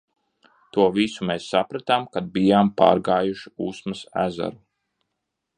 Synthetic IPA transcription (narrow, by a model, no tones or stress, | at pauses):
t̪uɔvisumeːsːapɾat̪amkad̪̚bijaːmpa̰ːɾɡaːjuʃiuːsmɐsæ̰za̰ɾu